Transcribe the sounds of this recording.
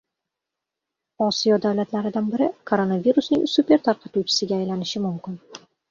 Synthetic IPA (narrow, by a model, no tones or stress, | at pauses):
ɒsijɒd̪awlat̪laɾɪd̪anbɪɾɪkʰo̞ɾo̞naviɾusnɪŋsupʲe̞ɾt̪ʰaɾqʰɑt̪uwt͡ʃʰɪ̥sɪɡʲaːjlanɪʃɪmʊmkʲɪn